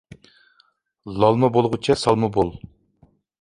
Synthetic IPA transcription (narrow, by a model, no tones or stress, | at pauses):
lˠɑlˠmɨbolˠʁʊt͡ʃʰɛsɑlˠmɨbolˠ